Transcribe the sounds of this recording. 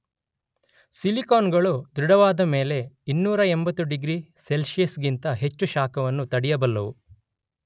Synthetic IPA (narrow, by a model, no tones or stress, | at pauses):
silikoːnɡɐɭud̪ɾuɽɐʋaːd̪ɐme̞ːle̞inːuːɾɐembɐt̪ːuɖiɡɾiselʃijɐsɡint̪ɐɦe̞t͡ʃːuʃaːkɐʋɐnːut̪ɐɽijɐbɐlːɐʋu